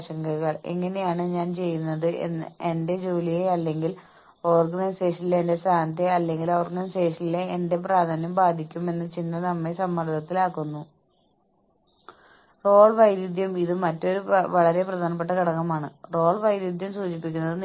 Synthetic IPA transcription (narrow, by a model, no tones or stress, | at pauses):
ɕɐŋɡɐɣɐɭe̞̰ŋːɐne̞jaːɳɨɲaːnt͡ɕe̞jːunːɐðɨḛende̞d͡ʑoːlijeɐlːe̞ŋɡil | o̞ːrɡɐnɐjse̞ːʂɐnileende̞st̪aːnt̪eɐlːe̞ŋɡilo̞ːrɡɐnɐjse̞ːʂɐnileːnde̞p̬raːd̪ʱaːnjɐmbaːd̪ʱikʲːume̞nːɨt͡ɕind̪ɐnɐmːesɐmːɐɾd̪ʰʱɐt̪ːilaːkːunːu | ro̞ːɭʋɐjɾud̪ʱjɐmiðɨmɐtːo̞ɾuʋɐɭɐɾe̞prɐd̪ʱaːnɐp̬ːe̞ʈːɐkiɽɐkːɐmaːɳɨro̞ːɭʋɐjɾjud̪ʱjɐmsuːt͡ɕipːikʲːunːɐðɨn